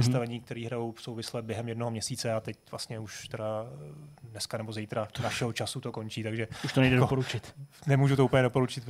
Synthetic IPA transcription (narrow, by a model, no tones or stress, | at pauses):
ɛst̪avɛɲiːk̚t̪ɛɾiːɦɾajowfsowvɪslɛbjɛɦɛmjɛdnoɦomɲɛsiːt͡sɛat̪ɛcv̥la̰st̪ɲɛuʃt̪ɛda | dnɛskanɛbo̞zejt̪ɾanaʃɛɦot͡ʃasut̪oko̞nt͡ʃiːt̪aɡʒɛuʃt̪onɛjdɛdopoɾut͡ʃɪt̪nɛmuːʒut̪ouːpl̩ɲɛdopo̞ɾut͡ʃɪt̪